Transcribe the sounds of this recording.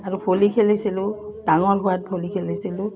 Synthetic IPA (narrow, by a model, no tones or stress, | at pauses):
aɹupʰolikʰelisilʊd̥aŋɔlɦʊwat̚pʰolikʰelisilʊ̃